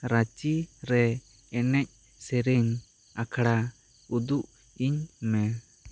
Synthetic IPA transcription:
ɾat͡ʃiɾɛ | ɛnɛc̚ˀ | sɛɾɛɲ | akʰaɽa | ud̪uʔ | iɲmɛ

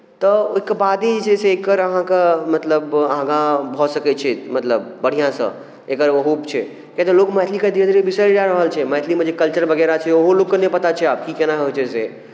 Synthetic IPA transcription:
t̪əkːbaːd̪id͡ʒd͡ʒeseeːkːəɾəɦãkamɐt̪ləbãɡãbʱɔsəkɛt͡ʃʰemɐt̪ləbːəɽ̤ijãsə̰̃ | ekəɾɐɦupt͡ʃʰe | kẽt̪əloːkmɛt̪ʰlikad̪iə̃d̪ɾbɪsəɾɾaɾəɦəlt͡ʃʰeməɦt̪ʰlimə̃d͡ʒekəlt͡ʃəɾʋɐɡɛɾat͡ʃʰeoɦoloːkkənẽpɐt̪at͡ʃʰeaːp̚kikɛnaɦɦot͡ʃʰese

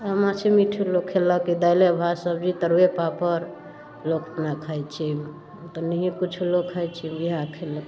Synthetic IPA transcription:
əmat͡ʃʰimiʈʰilokʰːeləkid̪ajlebʱasəbd͡ʒit̪əɾwepapəɾ | lokpnakʰəjt͡ʃʰi | t̪ɔnəɦĩkut͡ʃʰulokʰːəjt͡ʃʰimiɦakʰelək

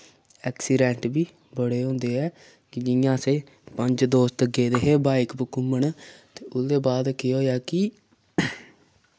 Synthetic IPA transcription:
ɛːksiːɖɛ̃ːɳʈbiː | bəɽeːɦʊ̃ːnd̪eːɛː | kɪd͡ʒɪjãːseː | pəɲd͡ʒd̪oːst̪əɡeːd̪eːɦeːbaːɪkbəkʊməɳt̪eːʔʊsd̪eːbaːd̪keɦoːjaːkɪ

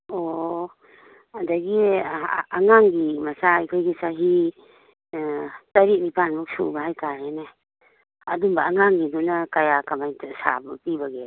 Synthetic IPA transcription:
ɔ | daɡi | aŋaŋɡimasajkʰɔjɡisaɦi | taɾiʔnipanmuk̚sṵbaɦajkaɾena | adumbaaŋaŋɡidunakajakamajntʰasa̰bpibaɡe

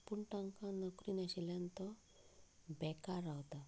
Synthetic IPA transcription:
puɳʈaŋkanɔkɾinasilant̪ɔ | bɛkaɾawt̪a

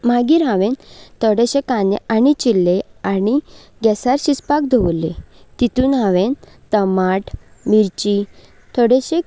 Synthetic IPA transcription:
maɡiɾɦãʋẽnt̪ʰɔɽeɕẽkananit͡ɕilːeani | ɡɛsaɾɕispak̚d̪ʱoʋle | t̪it̪uːnɦãʋẽn | t̪əmaʈmiɾt͡ɕi | t̪ʰɔɽeɕe

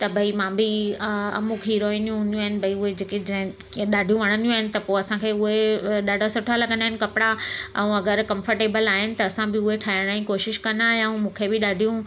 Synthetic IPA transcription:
t̪ɐbʱɐimãbɪɐ̰mukʰɦiɾoːinjũɦʊ̃nd̪jũaːɦɪnɪ̆bʱɐiʊɦed͡ʑeːked͡ʑɐ̃ɦɪ̃ | ɗaːɖʱijũʋɐɽ̃ə̃nijũaːɦɪnɪ̆t̪ɐpoːɐsãkʰeʊɦeɗaːɖʱasʊʈʰalɐɡəndaɦɪnɪ̆kɐpɪɽaɛ̰̃ũɐɡəɾkɐ̃mfəɾʈeːbəlaːɦɪnɪ̆t̪ɐːsãbɪʊɦeʈʰaːɦɪɽ̃aːĩkoːʃɪʃkɐnd̪aːɦeɛ̃mũːkʰebɪɗaːɖʱijũ

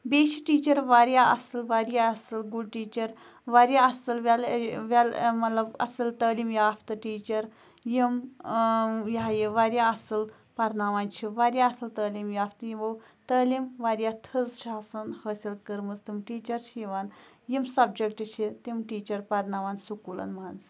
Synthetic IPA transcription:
beːʃiʈiːt͡ʃɐɾʋaɾjaʔɐ̰sɨlʋaɾjaɐsɨlɡuɖʈiːt͡ʃɐɾ | ʋaɾjaɐsɨlʋʲalʋʲalmɐt̪lɐbɐ̰sɨlt̪əːlimjaːft̪ɨʈiːt͡ʃɐɾ | jim | jajiʋaɾʲjaɐsɨl | pɐɾnaʋant͡ʃʰiʋaɾʲjaɐsɨlt̪əːlimjaːft̪ɨjiʋɐw | t̪ɐːlimʋaɾjat̪ʰəzʃaːsɐnhəːsʲilkəɾmɨzt̪imʈiːt͡ʃɐɾʃʰiʋanjimsɐbd͡ʒek̚ʈt͡ʃʰit̪imʈiːt͡ʃɐɾpɐɾnaʋansukulɐ̰nmand͡z

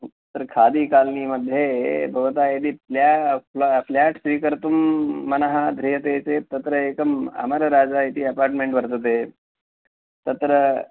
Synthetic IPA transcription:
t̪ət̪ɾəkʰad̪iːkaːlniːməd̪ʱːjebʱəʋt̪aed̪iːfla | flaʈsʋiːkəɾt̪umːənəɦad̪ʱɾiɦət̪et͡set̪ɐt̪ɾəekəma̰məɾəɾad͡zait̪iːɐpaːɾʈmẽɳʈʋəɾt̪ət̪̬e | t̪ɐt̪ɾə

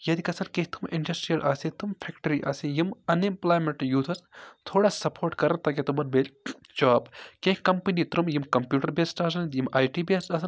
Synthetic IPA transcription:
jɐd̪ikɐsɐnkeɦʲt̪ʰumḭɳɖɐsʈɾijɐlʔaːsĩt̪umpʰekʈɐɾiʔa̰ːsijimɐnemplaːjmeɳʈjuːt̪ʰɐst̪ʰoːɽaːsɐpʰoːɾʈkɐɾɐnt̪ɐket̪umɐnbeːl | d͡ʒaːbkẽhʲkɐmpɐnit̪ɾumjimkɐmpjuːʈɐɾbeːsʈaːs̬ɐnjimaːjʈiːbeːsʈɐsɐn

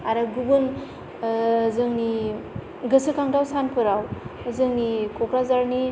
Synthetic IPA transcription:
aɾaɡubun | zɯŋni | ɡɯsɯkaŋdawsanpʰɯɾawzɯŋnikʰokɾazaɾni

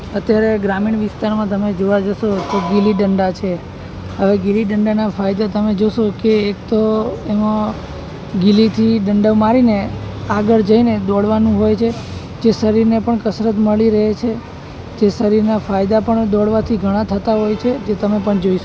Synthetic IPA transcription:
ət̪jaɾeɡɾamiɳʋɪst̪aɾmãt̪əmed͡ʒoʋad͡ʒəʃot̪oɡiliɖəɳɖat͡ʃʰe | ɦəʋeɡiliɖəɳɖanafajd̪at̪əmed͡ʒoʃokeːk̚t̪oemã | ɡilit̪ʰiɖəɳɖəʋmaɾineaɡəɭd͡ʒəined̪ɔɽʋanũɦojt͡ʃʰe | d͡ʒesəɾiɾnepəɳkəsɾət̪məɭiɾəɦet͡ʃʰe | d͡ʒesəɾiɾnafajd̪apəɳd̪ɔɽʋat̪ʰiɡʱəɽ̃ãt̪ʰət̪aɦojt͡ʃʰed͡ʒet̪əmepəɳd͡ʒoiʃ

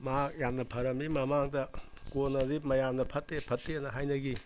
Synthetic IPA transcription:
makjamnɐpʰɐɾɐmimɐmaŋdɐ | konɐdip̚mɐjamdɐpʰɐtːepʰɐtːeɐnɐɦajnɐɡi

